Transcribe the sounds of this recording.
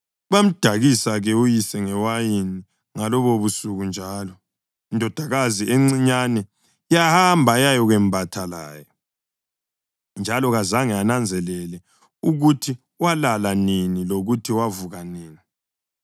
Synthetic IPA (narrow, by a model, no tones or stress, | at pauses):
uβam̩d̥ʱaɣisaɣɛujisɛŋɛwajini | ŋalɔβoβusuɣund͡ʒʱaːlɔ | indʱɔd̥ʱaɣaziʔeŋ͡ǀiɲanɛ | jahambʱajajɔɣɛmbʱatʰala̰ːjɔ | nd͡ʒʱalɔɣazaŋɛanand͡zʱɛlɛlɛ | uɣutʰi | walalaniniloɣutʰiwavuɣaniːni